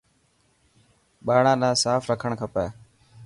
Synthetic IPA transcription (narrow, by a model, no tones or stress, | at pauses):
ɓaːɳãːnãːsaːfɾəkʰəɳkʰəpɛː